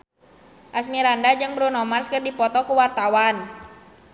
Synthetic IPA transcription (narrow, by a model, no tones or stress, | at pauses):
ʔasmiɾandad͡ʒɨŋbɾunɔmarskərdipɔt̪ɔkuwart̪awan